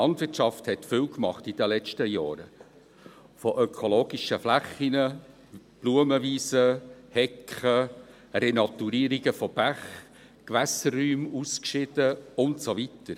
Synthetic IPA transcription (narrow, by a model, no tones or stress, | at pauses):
lɑndʋɪrtʃɑfthɛtfɪwkmɑ̰χtid̥əlɛt͡ʃtəjɑːɾə̰ | fɔʔœkʰoloːɡiʃəflæχːinə | b̥luəməviːsəhɛkχə | rɛnɑt̪uɾiːɾiɡəfɔb̥æχ | kʋæsərːyːmuskʃɪd̥əʊntsovitəɾ